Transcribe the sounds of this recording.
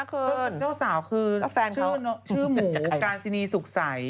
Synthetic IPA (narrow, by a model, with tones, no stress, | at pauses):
a˥˩kʰɤː˧˥˩n˩t͡ɕaː˥˩wsaː˩˦wkʰɯː˧˥˩fɛː˧nkt͡ɕʰɯː˦˥˩nɔ˦˥t͡ɕʰɯː˩˥˩muː˩˦kaː˧nsi˧niː˧su˨˩k̚sa˩˦j